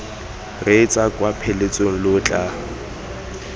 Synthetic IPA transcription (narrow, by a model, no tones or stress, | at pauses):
ret͡sʼakʼwapʰelet͡sʼoŋ̩lʊt͡ɬʼa